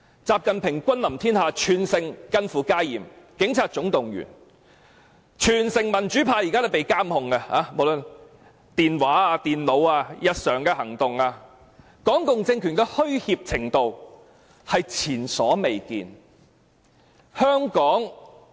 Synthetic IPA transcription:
t͡saː˨p̚kɐ˨npʰɪ˨˩ŋkʷɐ˥nlɐ˨˩mt̪ʰiː˥nhaː˨˧t͡ʃʰyː˨˩nsɪ˨ŋkɐ˧nfuː˨˩kaː˥jḭː˨mkɪ˨˥ŋt͡sʰaː˧t̚t͡ʃʊ˨˥ŋt̪ʊ˨˩ŋjy̰ː˨˩n | t͡ʃʰyː˨˩nsɪ˨ŋmɐ˨˩nt͡ʃyː˨˥pʰaː˧jiː˨kaː˥o˨˥˩pe˨jkaː˥mhʊ˨ŋɐ˧ha̰ː˨˧mo˨wlɵ˧n | t̪iː˨˩nwaː˨˥aː˧t̪iː˨nlo˨˧waː˧jɐ˨t̚sœː˨˩ŋkɛː˧hɐ˨˩ŋt̪ʊ˨ŋaː˧ | kɔː˨˥ŋkʊ˨ŋt͡sɪ˧ŋkʰy˨˩nkɛː˧hɵ˥ɥhiː˧p̚t͡sʰɪ˨˩ŋt̪o˨w | hɐ˨jt͡sʰiː˨˩nsɔː˨˥me˨jkḭː˨n | hœː˥ŋkɔː˨˥ŋ

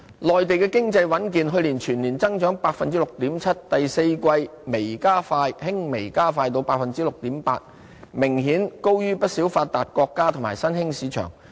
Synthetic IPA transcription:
lɔː˨jt̪e˨jkɛː˧kɪ˥ŋt͡sɐ˧jwɐ˨˥nk̬iː˨nɦɵ˧ɥliː˨˩nt͡ʃʰyː˨˩nliː˨˩nt͡sɐ˥ŋt͡ʃœː˨˥ŋpaː˧k̚fɐ˨nt͡siː˥lʊ˨k̚t̪iː˨˥mt͡sʰɐ˥t̚t̪ɐ˨jse˧jkʷɐ˧jme˨˩jkaː˥faː˧jhɪ˥ŋme˨˩jkaː˥faː˧jt̪o˧wpaː˧k̚fɐ˨nt͡siː˥lʊ˨k̚t̪iː˨˥mpa̰ː˧t̚ | mɪ˨˩ŋɦiː˨˥nko˥wjyː˥pɐ˥t̚si˨˥wfaː˧t̚t̪aː˨t̚kʷɔː˧kːaː˥t̪ʰʊ˨˩ŋmaː˨˩jsɐ˥nhɪ˥ŋsiː˨˥t͡ʃʰœ̰ː˨˩ŋ

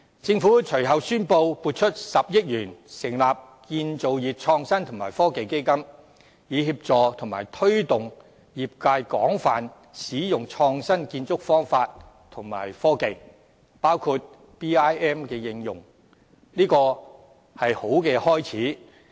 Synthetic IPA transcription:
t͡sɪ˧ŋfu˨˥˨t͡ʃʰɵ˨˩ɥɦɐ˨wsyː˥npo˧wpuː˨˧t̚t͡ʃʰɵ˥t̚sɐ˨p̚jɪ˥t̚jyː˨˩nsɪ˨˩ŋlaː˨p̚ | kiː˧nt͡so˨wjiː˨p̚t͡ʃʰɔː˧ŋsɐ˥nt̪ʰʊ˨˩ŋmaː˨˩jfɔː˥ke˨jke˥jkɐ˥m | jiː˨˧ɦiː˧p̚t͡sɔː˨t̪ʰʊ˨˩ŋmaː˨˩jt̪ʰɵ˥ɥt̪ʊ˨ŋ | jiː˨p̚kaː˧jkɔː˨˥ŋfaː˨n | siː˨˥jʊ˨ŋt͡ʃʰɔː˧ŋsɐ˥nkiː˧nt͡sʊ˥k̚fɔː˥ŋfaː˧t̚t̪ʰʊ˨˩ŋma̰ː˨˩jfɔː˥ke˨j | paː˥wkʰuː˧t̚ | piː˥aː˥jɛː˥mkɛː˧jɪ˧ŋjʊ˨˩ŋ | niː˥kɔː˧ | hɐ˨jho˨˥wkɛː˧hɔː˥jt͡sʰiː˨˥

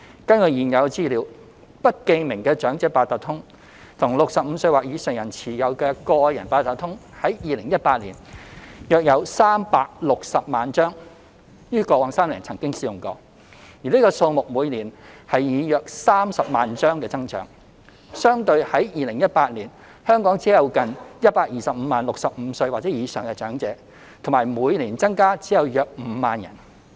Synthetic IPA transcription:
kɐ˥nkɵ˨˩jiː˨˩njɐ˨˧wt͡siː˥liː˨˧˥w | pɐ˥t̚ke˧jmɪ˨˩ŋkɛː˧t͡ʃœː˨˥ŋt͡sɛː˧˥paː˧t̪ɐː˨t̚t̪ʰʊ˥ŋ | t̪ʰʊ˨˩ŋlʊ˨k̚sɐ˨p̚m̩˨˧sɵ˧ɥwaː˨k̚jiː˨˧sɛ˨˩ŋjɐ˨˩nt͡sʰiː˨˩jɐ˨˧wkɛː˧kɔː˧jɐ̰˨˩npaː˧t̪ɐ˨t̪̚ʰʊ˥ŋhɐ˨˥jjiː˨˧lɪ˨˩ŋjɐ˥t̚paː˧t̚lḭː˨˩njœː˨k̚jɐ˨˧wsaː˥mpaː˧k̚lʊ˨k̚sɐ˨p̚maː˨nt͡ʃœː˥ŋ | jyː˥kɔː˧waː˨˧ŋsaː˥mlḭː˨˩nt͡sʰɐ˨˩ŋkɪ˥ŋsiː˧jʊ˨ŋkɔː˧ | jiː˨liː˥kɔː˧so˧wmʊ˨k̚muː˨˧jliː˨˩nhɐ˨jjiː˨˧jœː˨˧k̚saː˥msɐ˨p̚maː˨nt͡ʃœː˥ŋkɛː˧t͡sɐ˥ŋt͡ʃœ̰ː˨˥ŋ | sœː˥ŋt̪ɵ˧ɥhɐ˨˥jjiː˨lɪ˨˩ŋjɐ˥t̚paː˧t̚liː˨˩n | hœː˥ŋkɔː˨˥ŋt͡siː˨˦˥jɐ˨˧wkɐ˨njɐ˥t̚paː˧k̚jiː˨˩sɐ˨p̚m̩˨˧maː˨nlʊ˨k̚sɐ˨p̚m̩ː˨˧˥sɵ˧ɥwaː˨˩t͡sɛː˨˥jiː˨˧sœː˨˩ŋkɛ˧t͡ʃœː˨˥ŋt͡sɛː˨˥ | t̪ʰo˨˩maː˨˩jmuː˨˧jliː˨˩nt͡sɐ˥ŋkaː˥t͡siː˨˥jɐ˨˧wjœː˨˧k̚m̩˨˧˥maː˨njɐ̰˨˩n

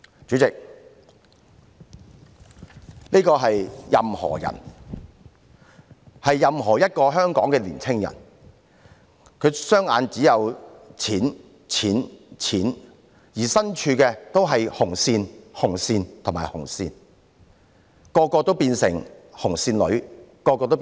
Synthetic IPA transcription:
t͡ʃyː˨˥t͡sɪ˨k̚ | niː˥kɔː˧ɦɐ˨jjɐ˨mhɔ̰ː˨˩jɐ̰˨˩n | hɐ˨jːɐ˨mɦɔː˨˩jɐ˥t̚kɔː˧ɦœː˥ŋkɔː˨˥ŋkɛ˧liː˨˩nt͡sʰɪ˥ŋjɐ̰˨˩n | kʰɵ˨˧ɥsœː˥ŋaː˨˧nt͡siː˨˥jɐ˨˧wt͡sʰiː˨˥n | t͡sʰiː˨˥nt͡sʰiː˨˥n | jiː˨˩sɐ˥nt͡ʃʰyː˧kɛː˧t̪o˥wɦɐ˨jhʊ˨˩ŋsiː˧nhʊ˨˩ŋsiː˧nt̪ʰʊ˨˩maː˨˩hʊ˨˩ŋsiː˧n | kɔː˧kɔː˧t̪o˥wpiː˧nsɪ˨˩ŋhʊ˨˩ŋsiː˧nlɵ̰˨˧ɥkɔː˧kɔː˧t̪o˥

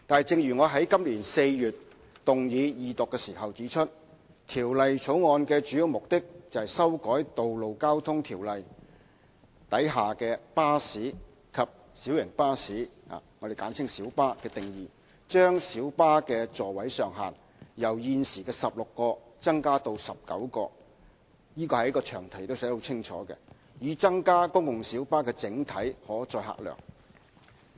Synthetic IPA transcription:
t̪aː˨nɛ˨jt͡sɪ˨˧ŋɥyː˨˩ŋɔː˨˧ɦɐ˨˥jkɐ˥mliː˨˩nse˧jɥyː˨˩t̚ | t̪ʊ˨ŋjiː˨˧jiː˨t̪ʊ˨kːɛ˧siː˨˩ɦɐ˨wt͡siː˨˥t͡ʃʰɵ˥t̚ | t̪ʰiː˨˩wlɐ˨jt͡sʰo˨˥wŋɔː˧nkɛː˧t͡ʃyː˨˥ji˨˧wmʊ˨k̚t̪ɪ˥k̚t͡sɐ˨whɛ˨jsɐ˥wkɔː˨˥jt̪o˨wlo˨wkaː˥wt̪ʰʊ˥ŋt̪ʰiː˨˩wlɐ˨j | t̪ɐ˨˥jɦaː˨˩kɛː˧paː˥siː˨˥ | kʰɐ˨p̚ | siː˨˥wjɪ˨˩ŋpaː˥siː˨˥ha̰ː˨ŋɔː˨˧e˨jkaː˨˥nt͡sʰɪ˥ŋsiː˨˥wpaː˥kɛː˧t̪ɪ˨ŋjiː˨˩ | t͡ʃœː˥ŋsiː˨˥wpaː˥kɛː˧t͡sɔː˨˩wɐ˨˥jsœː˨ŋɦaː˨n | jɐ˨˩wjiː˧nsiː˨˩kɛː˧sɐ˨p̚lʊ˨kːɔː˧t͡sɐ˥ŋkaː˥t̪o˧wsɐ˨p̚kɐ̰˨˥wkɔː˧ | jiː˥kɔː˧hɐ˨jkɔː˧t͡ʃʰœː˨˩ŋt̪ʰɐ˨˩jt̪o˥wsɛ˨˥ho˨˧wt͡sʰɪ˥ŋt͡ʃʰɔ̰ː˨˥kɛ̰˧ | jyː˨˧t͡sɐ˥ŋkaː˥kʊ˥ŋkʊ˨ŋsiː˨˥wpaː˥kɛː˧t͡sɪ˨˧˥ŋt̪ʰɐ˨˥jhɔː˨˥t͡sɔː˧jɦa̰ː˧˩k̚lœ̰ː˨˩ŋ

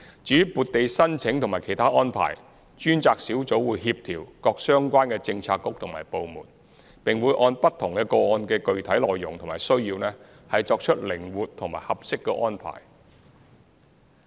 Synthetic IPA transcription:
t͡ʃyː˨˥puː˨t̚t̪e˨jsɐ˥nt͡sʰɪ˨˥ŋt̪ʰʊ˨˩ŋmaː˨˩kʰe˨˩jt̪ʰaː˥ʔɔː˥npʰa̰ː˨˩j | t͡ʃyː˥nt͡saː˧k̚siː˨˥wt͡so˨˥wwuː˨˧jɦiː˧p̚t̪ʰiː˨˩wkɔː˧k̚sœː˥ŋkʷaː˥nkɛː˧t͡sɪ˧ŋt͡sʰaː˧kːʊ˥k̚t̪ʰʊ˨˩ŋma̰ː˨˩jpo˨˧wmṵː˨˩n | pɪ˨ŋwuː˨˧jʔɔː˧npɐ˥t̪ʰʊ˨˩ŋkɛː˧kɔː˧ɔː˧nkɛː˧kɵ˨˧ɥt̪ʰɐ˨˥jlɔː˨jːʊ˨˩ŋt̪ʰmaː˨˩jsɵ˥ɥjiː˧wnɛː˥ | hɐ˨jt͡sɔː˧k̚t͡ʃʰɵ˥t̚lɪ˨˩ŋwuː˨t̚t̪ʰʊ˨˩ŋmaː˨˩jhɐ˨p̚sɪ˥kːɛ˧ʔɔː˥npʰa̰ː˨˩j

